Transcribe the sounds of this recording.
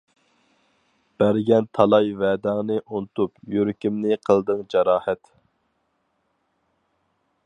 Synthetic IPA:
b̥æɾɡʲɛnt̪ʰɑlˠɑjvɛd̪æŋnɨʔunɨt̪upjøɾkʲimnɪqʰəlˠd̪ɨŋd͡ʒɑɾɑːhɛt̪

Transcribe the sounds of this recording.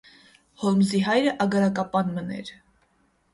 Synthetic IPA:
hɔlmziɦɑjɾəʔɑɡɑɾɑkɑpɑnmənɛ̰ɾ

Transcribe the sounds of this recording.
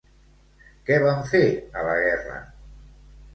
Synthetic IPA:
kɛβaɱfeɾalaɣɛra̰

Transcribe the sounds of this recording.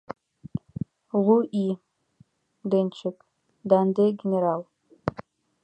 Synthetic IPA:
ʁʷuʔi | dɐnt͡ʃʰɪkʼ | daːndeɡʲeneɾaːl

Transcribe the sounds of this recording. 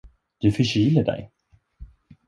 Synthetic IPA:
d̪̥ɵfœɕiːləɖɛ̰j

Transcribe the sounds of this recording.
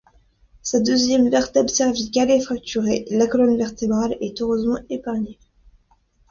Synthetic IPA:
sad̪øzjɛmvɛʁt̪ɛbsɛʁvikalefχak̚t̪ʰyʁelakɔlɔnvɛʁt̪ebʁalɛt̪øʁøzmɑ̃epaʁɲe

